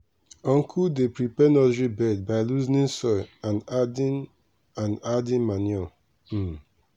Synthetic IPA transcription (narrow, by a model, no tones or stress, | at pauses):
ɔ̃ŋkʰudepɹipɛnɔzɹibɛd̚baɪluznĩnsɔjãnadin | ãnadĩnmanɔ